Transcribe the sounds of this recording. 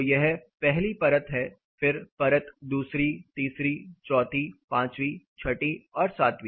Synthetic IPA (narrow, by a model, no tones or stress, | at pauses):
jeɦɛpɛɦlipɐɾət̪ɦɛ | fɪɾpɐɾət̪d̪uːsɾit̪iːsɾit͡ʃɔːt̪ipãːt͡ʃwit͡ʃʰɐʈiɔːɾsaːt̪ʋi